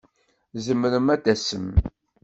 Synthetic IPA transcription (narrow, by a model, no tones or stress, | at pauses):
zəmːɾəmæd̪æsəm